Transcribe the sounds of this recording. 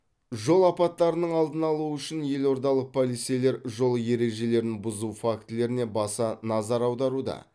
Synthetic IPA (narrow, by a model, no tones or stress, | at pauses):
ʒo̞lˠɑpɑt̪ːɑɾənəɴɑlˠd̪ənɑlˠuəʏʃɪnje̞lo̞ɾd̪ɑlˠəq̚pʰolˠit̪sejle̞ɾʒo̞lˠəje̞ɾe̞ʒe̞le̞ɾɪnbʊzufakt̪ɪle̞ɾɪne̞bɑsɑnɑzɑɾɑwd̪ɑɾud̪ɑ̰